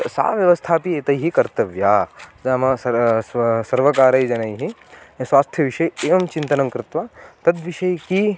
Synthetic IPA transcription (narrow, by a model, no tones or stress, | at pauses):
sa̰ːʋjɐʋɐst̪ʰaːpieːt̪ɐjɦikɐɾt̪ɐʋjaːɐmɐsɐssɐɾʋɐkaːɾɐjd͡ʒɐnɐjɦiswaːst̪ʰjɐʋiʃɐjeːʋɐmt͡ʃint̪ɐnɐŋkɾɪt̪ʋat̪ɐd̪ʋiʃɐjki